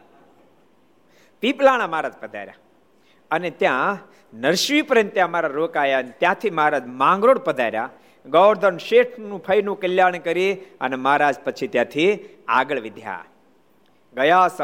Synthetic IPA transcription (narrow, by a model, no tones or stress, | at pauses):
piːplaːɽ̃amaːɾaːd͡ʒpəd̪ʱa̰ːɾja̰ | ənet̪jã | nəɾʃʋiːpəɾə̃nt̪jãmaːɾaɾoːkaːjanet̪jãt̪ʰimaːɾad͡ʒmãːŋɡɾoːɽpəd̪ʱaːɾja̰ | ɡɔwɾd̪ənʃeːʈʰnũpʰəjnũkəljaːɳ̃kəɾiənemaːɾaːd͡ʒpət͡ʃʰit̪jãːt̪ʰi | a̰ːɡəɭʋid̪ʱja̰ | ɡəjaːs